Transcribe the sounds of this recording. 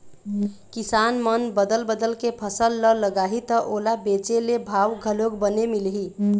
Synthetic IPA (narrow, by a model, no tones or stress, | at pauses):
kisanmənbəd̪əlbəd̪əlkepʰəsəlːələɡaɦit̪əʔolabet͡ʃelebʱawɡʱəlokbənemilɦi